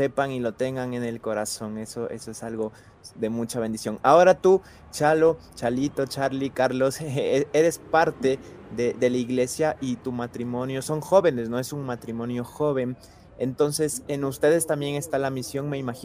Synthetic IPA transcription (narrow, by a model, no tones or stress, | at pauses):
se̞paŋilo̞t̪e̞ŋɡaŋe̞ne̞lko̞ɾaso̞ŋe̞so̞ʔe̞̰soesalɣo̞ | ðe̞mut͡ʃaβ̞e̞nd̪isjo̞ŋao̞ɾat̪u | t͡ʃalo̞t͡ʃalit̪o̞t͡ʃaɾlikaɾlo̞se̞ɾe̞spaɾt̪e̞ðeðe̞laiɣle̞sjaʔit̪umat̪ɾimõ̞njo̞so̞ŋxo̞βe̞ne̞sno̞e̞suŋmat̪ɾimõ̞njo̞xo̞βe̞ŋ | e̞nt̪o̞nse̞se̞nust̪e̞ðe̞st̪ambje̞ŋe̞st̪alamisjo̞ŋme̞imaxi